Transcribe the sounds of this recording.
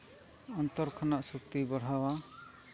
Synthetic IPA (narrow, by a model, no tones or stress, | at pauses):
ɔnt̪ɔɾkʰɔnaʔsuk̚t̪ibɔɽ̤awa